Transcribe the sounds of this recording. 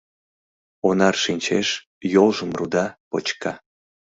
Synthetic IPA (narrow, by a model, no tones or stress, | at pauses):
onɑrʃinʲt͡ɕeʃ | jolˠʒəmrud̪ɑpot͡ɕkɑ